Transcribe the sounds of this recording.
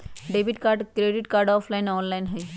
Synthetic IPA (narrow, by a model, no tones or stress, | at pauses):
ɖebiʈkaɾɖkɾeɖiʈkaɾɖɔpʰlajnɔnlajnɦəj